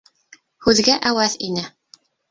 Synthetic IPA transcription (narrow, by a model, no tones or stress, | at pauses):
hʉðɡæʔæwæðinɘ